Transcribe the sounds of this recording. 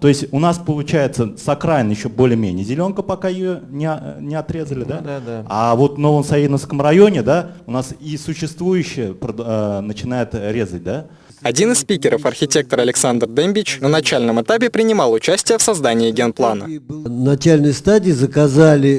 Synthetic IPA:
t̪o̞ɪsʲtʲʊnaspəlˠʊt͡ɕæjɪt̪səsɐkɾajɪnjɪɕːobo̞lʲɪjəmʲenʲɪjəzʲɪlʲo̞nkəpɐkajɪjonʲɪɐnʲɪɐt̪ɾʲe̞zəlʲɪd̪aavo̞t̪vno̞vəmsɐjinəfskəmrɐjo̞nʲɪd̪aʊnasisʊɕːɪst̪vujʉɕːɪjəpɾəd̪nət͡ɕɪn̪ajʊt̪ɾʲe̞zət̚ʲd̪a | ɐdʲinɨsspʲikʲɪɾəfɐrxʲɪtʲe̞k̚t̪əɾɐlʲɪksand̪rd̪emʲbʲɪt͡ɕnənɐt͡ɕælʲnəmɨt̪apʲɪpɾʲɪnʲɪmɑlˠʊt͡ɕæsʲtʲɪjəfsɐzd̪anʲɪːɡʲenplˠanə̰nɐt͡ɕælʲnɨjst̪adʲɪːzəkɐzalʲɪ

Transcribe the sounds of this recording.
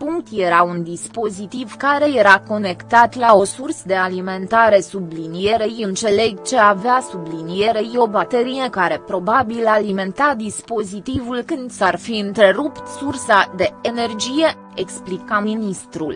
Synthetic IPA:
puŋkt̪je̞ɾaund̪ispo̞zit̪ivkaɾe̞je̞ɾako̞ne̞kt̪at̪lao̞sursd̪e̞alime̞nt̪aɾe̞sublinije̞ɾe̞jɨnt̪t͡ʃe̞le̞ɡt͡ʃe̞aveasublinije̞ɾe̞jo̞bat̪e̞ɾije̞kaɾe̞pɾo̞babilalime̞nt̪ad̪ispo̞zit̪ivulkɨnd̪sarfiɨnt̪ɾe̞ɾupt̪sursad̪e̞ene̞rd͡ʒije̞ | eksplikaminist̪ɾul

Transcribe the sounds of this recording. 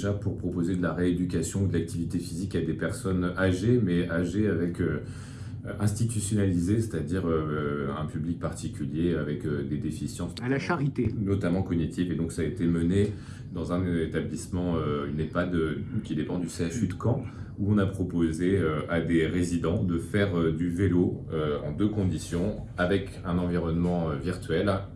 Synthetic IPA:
ʒapuʁpχɔpozed̪əlaʁeed̪ykʲasjɔ̃ud̪əlak̚t̪ivit̪efizikad̪epɛʁsɔnaʒemɛaʒeavɛkø | ɛ̃st̪it̪ysjɔnalizese̥t̪ad̪iʁøɛ̃pyblik̚paʁt̪ikʲyljeavɛkød̪ed̪efisjɑ̃salaʃaʁit̪enɔt̪amɑ̃kɔnit̪ʰifed̪ɔ̃ksaːet̪eməne | d̪ɑ̃zɛ̃nt̪ablismɑ̃øynepad̪økʲid̪epɑ̃d̪yseaʃyd̪əkɑ̃ | uɔ̃napχɔpozeøad̪eʁezid̪ɑ̃d̪əfɛʁød̪yveloøɑ̰̃d̪økɔ̃d̪isjɔ̃ | avɛk | ɛ̃nɑ̃viʁɔnmɑ̃øviʁt̪ɥɛl

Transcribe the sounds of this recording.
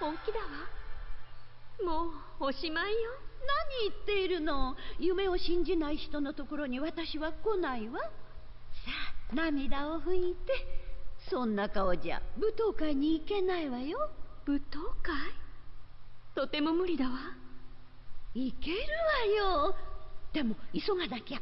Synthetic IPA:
oːkʲid̪aβa | moːoɕimaijonaɲ̟iːt̪ːe̞iɾɯ̟no̞jɯ̟me̞o̞ɕĩɲ̟d͡ʑinaiçi̥t̪o̞no̞t̪o̞ko̞ɾo̞ɲ̟iβat̪aɕiβako̞naiβa | saːnamʲid̪aoɸɯ̟̃it̪e̞sõ̞nːakaod͡ʑa̰bɯ̟t̪o̞ːkaiɲ̟iːke̞naiβajo̞b̥ɯ̟t̪oːkai | t̪o̞t̪e̞mo̞mɯ̟ɾʲid̪aβa | ike̞ɾɯ̟βajo | d̪̥e̞mo̞iso̞ŋad̪akʲea

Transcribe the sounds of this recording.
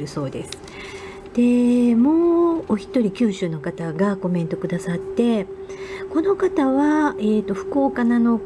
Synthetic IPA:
ɾɯ̟so̞ːd̪e̞sɨ̥ | d̪̥e̞moːoçʲi̥t̪ːo̞ɾʲikʲɨːɕɨːno̞kat̪aɡako̞mẽ̞nt̪o̞kɯ̟d̪asat̪ːe̞ | ko̞no̞kat̪aβae̞ːt̪ːo̞ɸɯ̟̥ko̞ːkanano̞

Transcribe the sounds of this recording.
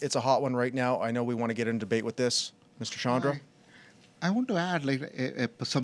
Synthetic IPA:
ɨtsəɦɑʔ̚wʌ̃nɹaɪtⁿnaʊʔa̰ɪnoʊwiwɑ̃ñɨɡɛɾɨ̃ndɨbeɪʔ̚wəðɪs | mɪstə˞ʃɑ̃nɹə | aɪwõʊ̃ntəædˡlaɪkɪbsʌ̃m

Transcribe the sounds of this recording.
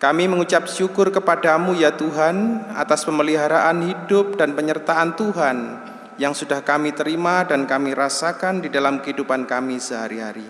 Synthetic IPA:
kamiməŋut͡ʃap̚ʃukʊrkəpadamujat̪uɦana̰t̪aspəməliɦaɾaʔanhidʊp̚danpəɲərt̪aant̪uɦan | jaŋsudahkamit̪əɾimadankamiɾasakandidalamkəɦidupankamisəɦaɾiɦa̰ɾi

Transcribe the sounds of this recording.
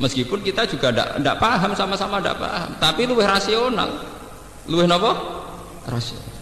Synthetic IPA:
məskipʊnkit̪ḁd͡ʒ̥uɡ̥ada̰ʔda̰ʔpaɦamsamasamada̰ʔpa̰ɦa̰mt̪apiluwɪhrasiona̰l | luwɪhnɔpɔ | rasio̰na

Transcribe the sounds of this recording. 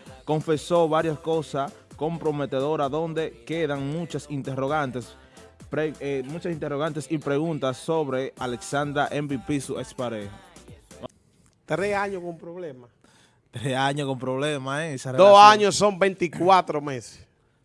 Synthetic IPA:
ko̞ɱfe̞so̞βaɾjasko̞sa | ko̞mpɾo̞met̪eðo̞ɾaðo̞nd̪e̞ke̞ðaŋmũt͡ʃasint̪eroɣant̪es | pɾeemũt͡ʃasint̪eroɣ̞ant̪esipɾe̞ɣunt̪asːo̞βɾealeksand̪ɾaʔembipisuespaɾeh | t̪ɾeaɲokompɾoβlema | t̪ɾesaɲokompɾoβlemaeisaed̪osaɲossːombent̪ikwat̪ɾomese̥s

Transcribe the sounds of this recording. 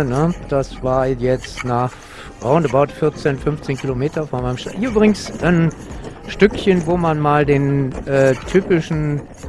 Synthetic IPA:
nəd̥asv̥aːɐjɛt͡stnaχ | ʁaʊndəbaʊtfɪɐt͡seːnfʏnft͡seːnkʰilomeːtɐfoɐmaɪnəmʃaʔiʔyːbʁɪɡŋ̩sʔanʃtʏkçənvoːmanmaːldeːnʔɛːtʰyːpɪʃn̩

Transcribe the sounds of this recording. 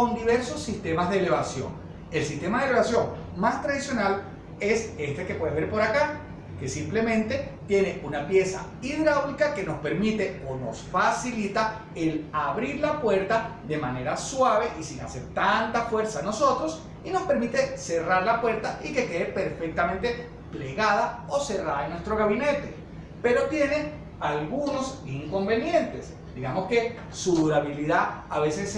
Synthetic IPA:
ond̪iβe̞ɾso̞sːist̪e̞mazðeːle̞βasjo̞̰ŋ | e̞lsist̪e̞maðeleβasjo̞ŋ | mast̪ɾaðisjonal | e̞se̞st̪e̞kepwe̞ðeβeɾpo̞ɾaka | ke̞simple̞mẽ̞nt̪e̞t̪je̞ne̞unapje̞sa̰ | iðɾawlikake̞nospe̞ɾmit̪e̞ono̞̰sfasilit̪a | elaβɾiɾlapwe̞ɾt̪aðe̞mane̞ɾaswaβe̞ʔisiŋaseɾt̪ant̪afwe̞ɾsano̞so̞t̪ɾo̞s | inospe̞ɾmit̪e̞se̞raɾlapwe̞ɾt̪aike̞ke̞ðepe̞ɾfe̞k̚t̪amẽ̞nt̪e̞ | ple̞ɣaðao̞se̞raðaenwe̞st̪ɾo̞ɣaβine̞t̪e̞̰ | pe̞ɾo̞t̪je̞ne̞ | alɣuno̞siŋko̞mbe̞njẽ̞nt̪e̞s | d̪iɣamo̞ske̞ | suðuɾaβiliðaaβe̞ses

